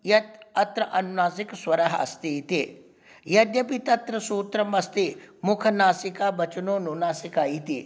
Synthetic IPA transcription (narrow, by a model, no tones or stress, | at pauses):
jɐt̪ɐt̪ɾɐʔɐnnaːs̬ikswɐɾɐɦɐ̰st̪it̪i | jɐd̪jɐpit̪ɐt̪ɾɐsuːt̪ɾɐmɐst̪imʊkʰɐnaːsikaːbɐt͡ʃɐnoːnunaːsikaːjit̪i